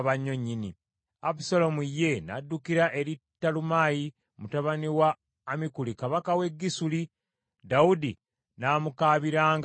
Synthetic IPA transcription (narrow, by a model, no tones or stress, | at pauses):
βaɲːo̞ɲːini | apsolo̞muje̞nadːukiɾaʔe̞ɾitːalumaːji | mutaβaniwaː | mikulikaβakawe̞ɡːisuli | daudi | naːmukaːβiɾaːŋɡ